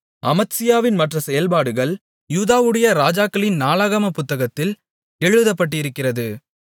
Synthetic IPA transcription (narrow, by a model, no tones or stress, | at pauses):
ɐmɐt̪sɪjaːʋɪnmɐʈrɐsɛjɐlpaːɽɯɣɐɭ | juːðaːʋɯɽɐjɐɾaːd͡ʒaːkɐɭɪnnaːlaɣɐmɐpʊt̪ːɐɣɐt̪ːɪl | ɛɻɯðɐpːɐʈːɪɪɾɯkːɪrɐðɯ